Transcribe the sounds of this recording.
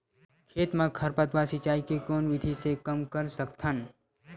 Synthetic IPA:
kʰeːt̪mẽkʰɐɾpət̪ʋasɪt͡ʃaːikekoːnʋɪd̪ʱisekɐmkəɾsəkt̪ʰən

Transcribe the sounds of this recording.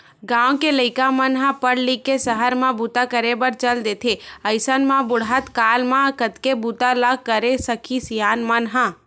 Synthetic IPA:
ɡãːʋõkeləɪkamənɦãpəɽlikːesəɦəɾmãbut̪akəɾebəɾt͡ʃəld̪eːt̪ʰeɐɪsənmãbʊɽ̤at̪kaːlmãkət̪kebut̪alaɡkːəɾesəkʰisijaːnmənɦã

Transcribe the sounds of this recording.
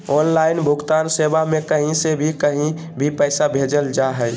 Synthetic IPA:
ɔːnlaɪnbʱʊɡt̪aːnseːbamẽkəɦĩsebʱikəɦĩ | bʱipəːsabʱed͡ʒəld͡ʒaɦəj

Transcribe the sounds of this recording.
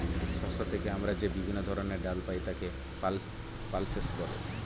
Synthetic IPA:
ʃɔʃot̪ʰekeamɾad͡ʑebibʱinːod̪ʱɔɾoneɾɖalpajt̪ake | al | palseskɔɾḛ

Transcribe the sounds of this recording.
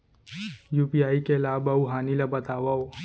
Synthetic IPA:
juːpiaːikelaːbauɦaːnilabɐt̪aːʋaoː

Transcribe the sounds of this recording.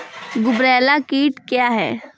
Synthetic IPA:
ɡʊbɾɛːlakiːʈkjaːɦɛ̰ː

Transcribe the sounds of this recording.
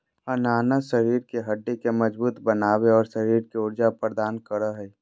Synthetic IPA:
ɐnaːnəʃəɾiːɾkeɦɐɖːekemɐd͡ʒbuːt̪bənaːweɔːɾsəɾiːɾkeʊɾd͡ʒapəɾd̪aːnkəɾəɦɛi

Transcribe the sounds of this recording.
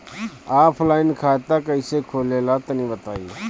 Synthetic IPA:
aːpʰlaːɪnkʰaːt̪aːkəɪseːkʰoːleːlaːt̪ənĩːbət̪aːiː

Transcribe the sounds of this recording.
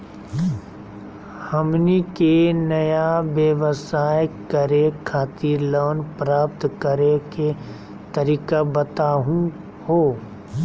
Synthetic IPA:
həmnikenɐjaʋjəʋəsaːjkəɾekʰːaːt̪iːloːnpɾaːpt̪kəɾeke | t̪ɐɾiːkabət̪aːɦũ | hoː

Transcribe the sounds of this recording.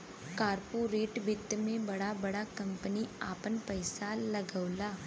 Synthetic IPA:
kaːɾpuɾeːʈbɪt̪ːmẽbɐɽabɐɽakɐ̃mpəniaːpənpɐɪsalɐɡəʊlaː

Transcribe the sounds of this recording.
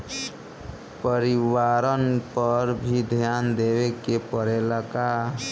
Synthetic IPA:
pəɾiwaːɾənpəɾbʱid̪ʱjaːnd̪ewekepəɾelaka

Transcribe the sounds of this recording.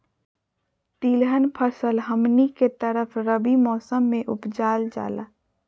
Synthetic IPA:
t̪iːlɦənpʰəɾsəlɦəmniket̪əɾəfʰɾəbimɔːsəmːẽʔʊ̰pd͡ʒaːld͡ʒa̰ːla̰ː

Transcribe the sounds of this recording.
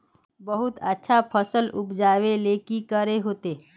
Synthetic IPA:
bəɦʊt̪ətːʃʰapʰəsəlʊpd͡ʒaːʋeleːkikəɾeɦoːt̪eː

